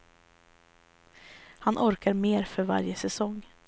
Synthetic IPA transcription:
hanʔɔɾkaɾmeːɾfœɾva̰ɾjəsɛsɔŋ

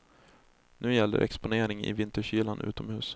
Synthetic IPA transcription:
nʔʉ̟ːjɛlːə̰ɾʔɛkspʊneːɾɪŋɪ̰vɪnt̪əɕyːlanʔʉ̟ːt̪ɔmhʉ̟ːs

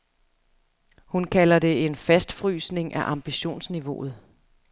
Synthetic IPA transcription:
hunkʰælɐde̝e̝nfæsd̥fʁy̰ːsne̝ŋʔæʔɑ̈mb̥iɕo̝̰ːnsniʋo̝ð̞̩ˠ

